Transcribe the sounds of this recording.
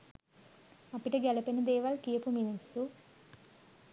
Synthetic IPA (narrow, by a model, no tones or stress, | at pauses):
ɐpiʈɐɡɛlɐpenɐd̪eːʋɐlkijɐpuminisu